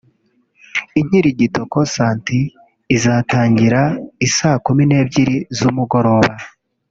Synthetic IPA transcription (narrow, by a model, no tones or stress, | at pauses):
iɲiɾiɟitoko̞saːntiː | zataːɲɟiɾaisaːkumine̞ːbɟiɾizumuɡo̞ɾo̞βa